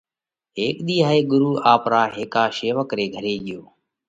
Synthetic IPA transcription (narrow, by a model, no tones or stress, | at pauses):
ɦeːkɗ̪iːɦaːeːɡʊɾuːʔaːpɾaːɦeːkaːʃeːʋəkɾeːɡʱəɾeːɠɪjoː